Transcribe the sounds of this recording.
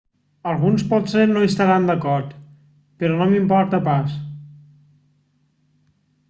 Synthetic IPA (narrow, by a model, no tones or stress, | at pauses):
əlˠɣunspɔt̪seɾnoist̪əɾand̪əkɔɾt̪ | pəɾɔnomimpɔɾt̪əpas